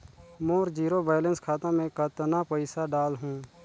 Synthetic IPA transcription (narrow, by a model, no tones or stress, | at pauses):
moːɾd͡ʒiːɾobaːjlə̃nskʰaːt̪ãmẽkat̪napəɪsaɖaːlɦũː